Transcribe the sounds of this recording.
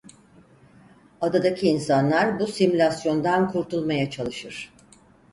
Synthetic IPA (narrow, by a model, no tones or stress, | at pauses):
ad̪ad̪acʰiːnsanlˠaɾbusimulʲasjo̞nd̪ankʰuɾt̪ʰulˠmajat͡ʃʰalˠɯʃɯɾ̥